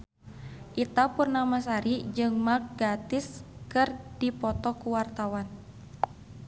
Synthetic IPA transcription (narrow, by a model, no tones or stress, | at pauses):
ʔit̪apurnamasaɾid͡ʒɨŋmak̚ɡat̪iskɨrdipɔt̪ɔkuwart̪awan